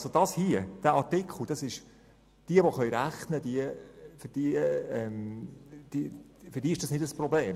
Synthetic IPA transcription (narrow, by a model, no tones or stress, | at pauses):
ɑsod̥ɑshiəd̥æʔɑɾtɪkʰχl̩d̥ɑsɪʃ | d̥iəvoχœjɾæχnədiəfʏd̥iɛmd̥ifʏɾdiːɪʃd̥ɑsnɪdəsprɔbleːm